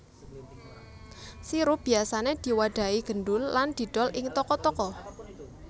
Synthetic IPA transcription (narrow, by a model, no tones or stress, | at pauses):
siɾub̥i̤asaned̪̥i̤waɖ̪̥a̤iɡ̥ə̤nɖʊlːand̪̥i̤ɖ̥ɔlʔɪŋt̪ɔkɔt̪ɔkɔ